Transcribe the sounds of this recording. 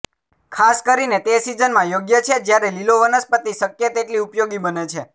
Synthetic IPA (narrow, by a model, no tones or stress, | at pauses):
kʰaskəɾinet̪esid͡ʒənmãjoɡjət͡ʃʰed͡ʒjaɾeliloʋənəspət̪isəkjət̪eʈliupjoɡibənet͡ʃʰe